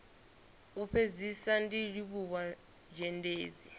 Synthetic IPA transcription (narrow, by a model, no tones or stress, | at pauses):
upʰed͡zisandiɺiβuβa | d͡ʒɛndeːd͡zi